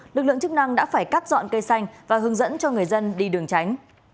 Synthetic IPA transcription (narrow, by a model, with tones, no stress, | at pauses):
lɨ˨˩lɨ̰˧˨əŋt͡ɕɨ˦˥k̚na˧ŋɗa̰ː˧˥faː˧˩jkaː˦˥p̚zɔ̰˧˨nkə˧jsa˧jŋ̟vaː˨˩ɦɨ˨˦əŋzə̰˧˥nt͡ɕɔ˧ŋɨ˨˩əjzə˧nɗi˧˩ɗɨ˨˩əŋt͡ɕa˨˦jŋ̟